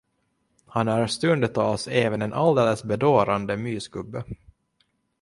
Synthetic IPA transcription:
hanæɾst̪ɵnd̪ət̪ʰɑːlseːvənɛnʔald̪eːləsbɛd̪oːɾand̪əmyːsɡɵbːə

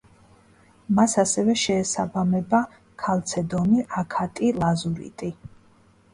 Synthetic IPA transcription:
masasɛvɛʃɛːsabamɛba | kʰalˠt̪sʰɛd̪ɔmiʔakʰat̪ʼilˠazuɾḭt̪ʼi

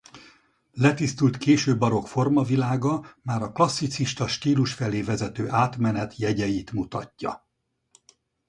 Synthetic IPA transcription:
lɛt̪ist̪ult̪keːʃøːbːɒɾo̞kfo̞rmɒvilaːɡɒmaːɾɒklɒsːit̪siʃt̪ɒʃt̪iːluʃfɛleːvɛzɛt̪øːʔaːt̪mɛnɛt̪jɛɟɛjiːt̪mut̪ɒ̰cːɒ̰

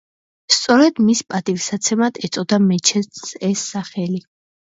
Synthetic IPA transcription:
st̪sʼɔɾɛd̪mispʼat̪ʼivsat̪sʰɛmad̪ʰɛt̪sʼɔd̪amɛt͡ʃʰɛɛsːaχɛli

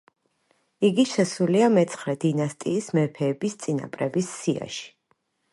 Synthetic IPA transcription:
iɡiʃɛsuliamɛt̪sʰχɾɛd̪inast̪ʼiːsmɛpʰɛːbist̪sʼina̰pʼɾɛbisːia̰ʃi̥

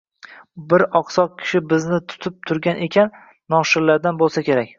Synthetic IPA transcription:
bɪɾɒqsɒq̚kʲʰɪ̥ʃɪbɪznɪt̪ʰʊ̥t̪ʰɪp̚t̪ʰʊɾɡʲanʔe̞kʲʰanː | ɒʃɪɾlaɾd̪anbolˠsakʲe̞ɾakʲ

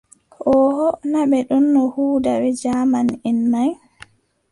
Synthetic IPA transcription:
hɔːhɔnaɓɛɗunːɔhuːdawɛd͡ʒamaninːaj

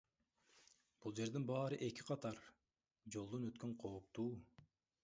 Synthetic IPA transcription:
b̥ulˠd͡ʒe̞ɾd̪inbɑːɾɯʔe̞kʲiqʰɑt̪ɑɾ | d͡ʒo̞lˠd̪onøt̪køɴqʰo̞ːpt̪uː

